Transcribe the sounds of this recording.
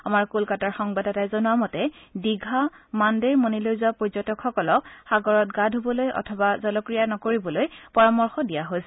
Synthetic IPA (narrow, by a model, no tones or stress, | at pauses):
amaɹkulkataɹxɔŋbadɛtajzɔnuwamɔtɛdiɡʱamandeɹmonilojzuapɔɹzɔtɔkʰxɔkɔlɔk̚xaɡɔɹɔtɡadʱɦobɔlojʔɔ̰tʰɔbazɔlɔkɹijanɔkoɹibɔlojpɔɹamɔɹxɔdijaɦojsɛ